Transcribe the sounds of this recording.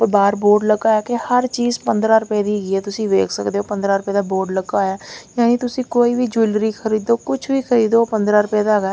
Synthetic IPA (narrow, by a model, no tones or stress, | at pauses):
baːɾboːɾɖləɡaːɛːkehəɾt͡ʃiːzpənd̪ɾaːɾʊpɛːd̪iːɦːɡiːɛːt̪ʊsĩːʋḛːkʰsəkd̪eːɦoːpə̃nd̪ɾaːɾʊpɛːd̪aːboːɾɖləɡaːaːjaːniːt̪ʊsĩːkoːiːʋiːd͡ʒulɾiːkʰəɾiːd̪oːkʊt͡ʃʰʋiːkʰəɾiːd̪oːpənd̪ɾaːɾʊpɛːd̪aːɡaː